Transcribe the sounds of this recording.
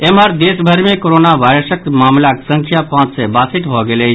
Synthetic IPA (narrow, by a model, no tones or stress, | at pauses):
emaɾd̪eːsbʱəɾmẽkoɾoːnaʋaːɪɾəsəkmaːmlaksə̃ŋkʰjapãːt͡ʃsebaːsɪt̪bʱɔɡele